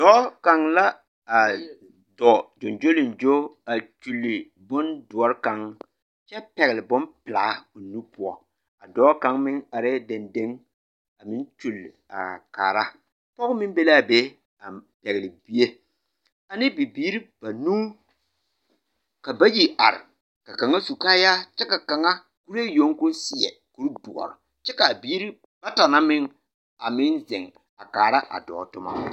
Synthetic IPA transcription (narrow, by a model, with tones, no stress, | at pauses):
dɔː˨˦ka˨ŋla˦ | a˨ | dɔ˨d͡ʒo˨nd͡ʒo˦lɪ˨nd͡ʒo˦a˨t͡ʃu˨lːɪ˨ | bʊ˦ndʊ˨ɔ˦ɾɪ˦ka˨ŋ | t͡ʃɛ˦pɛ˨ɣɪ˨lɪ˨bʊ˦npɪ˨laː˨˦o˨nu˦pʊ˨ɔ˨ | a˨dɔː˦ka˨ŋmɪ˦ŋa˨ɾɪ˦de˨nde˦ŋ | a˨mɪ˦nt͡ʃu˨la̰˨ka̰ː˨ɾa˦ | pɔ˦ɣʊ˦mɪ˦nbe˦la˦˨be˦ | a˨pɛ˨ɣɪ˨lɪ˨bi˦e˦ | a˨nɪ˦bi˨biː˦ɾi˦b̥a˨nuː˦ | ka˨ba˦ji˨a̰˨ɾɪ̰˨ | ka˨ka˨ŋa˦su˨kaː˦ja˦t͡ʃɛ˦ka˨ka˨ŋa˦ | ku˦ɾe˦jo˨˦ŋkʊ˦nsɪ˨ɛ̰˨ | ku˨˦ɾbu˨ʔɔ̰˨ɾʊ̰˨ | t͡ʃɛ˦ka˨biː˦ɾi˦ | b̥a˦ta˨na˦mɪ˦ŋ | a˨mɪ˦nzɪ˨ŋ | a˨kaː˨ɾa˦ʔa̰˨dɔ̰ː˨tʊ˦ma̰˦